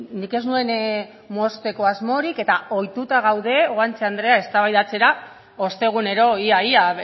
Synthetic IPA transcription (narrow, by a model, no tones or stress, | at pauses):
nike̞znue̞n | mo̞st̪e̞ko̞azmo̞ɾike̞t̪ao̞jt̪ut̪aɣ̞awð̞e̞ɣant͡seand̪ɾe̞ae̞st̪aβajðat͡se̞ɾa | o̞st̪e̞ɣ̞une̞ɾo̞iaia